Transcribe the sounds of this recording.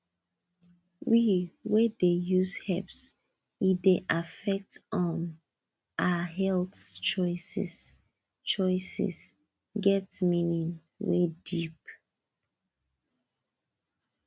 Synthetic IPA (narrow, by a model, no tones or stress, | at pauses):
wiwedejushɛps | wideʔafɛk̚tɔ̃n | ʔaɦɛlθt͡ʃɔɪsɛ̰s | t͡ʃɔɪsɛ̰s | ɡɛtminĩn | wḛdip